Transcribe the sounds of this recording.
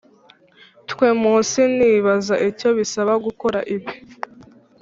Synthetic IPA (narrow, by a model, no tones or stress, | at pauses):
tkwemuːsiniːβazaʔico̞βisaβaɡuko̞ɾaʔibi